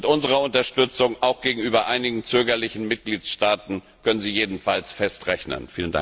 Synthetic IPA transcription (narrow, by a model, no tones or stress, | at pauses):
mɪtʔʊnzəʁɐʊntɐʃtʏt͡sʊŋʔaʊxɡ̥eːɡŋ̩ʔyːbɐʔaɪnɪɡŋ̩t͡søːɡɐlɪçn̩mɪt̚ɡ̥liːtʃtaːtn̩ | kʰœnənziːjeːdn̩falsfɛstʁɛçnə̰nfiːlənda̰ŋ